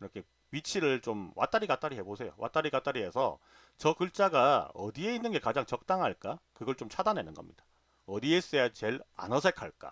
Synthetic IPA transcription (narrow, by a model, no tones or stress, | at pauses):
ɾʌkʰe̞ | ɥit͡ɕʰiɾɯɭt͡ɕomwʔa̰t͈aɾiɡat͈aɾiɦe̞bosʰe̞jo̰wʔa̰t͈aɾikat͈aɾiɦe̞sʰʌ̰ | t͡ɕʌkɯɭt͡ɕ͈aɡaʌ̰die̞inːɯnɡe̞kad͡ʑaŋt͡ɕʌk̚t͈aŋɦaɭk͈akɯɡʌɭt͡ɕomt͡ɕʰadanenɯnɡʌ̰mɲid̥ḁ | ʌdie̞s͈ejat͡ɕe̞ɭa̰nʌsʰe̞kʰaɭk͈a̰